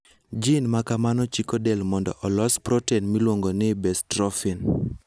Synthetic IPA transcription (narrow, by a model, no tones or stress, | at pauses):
d͡ʒinmakamanɔt͡ʃikodɛlmɔndɔ̰ʔɔlɔspɾɔtɛnmilwoŋɡonɪbɛstɾɔfin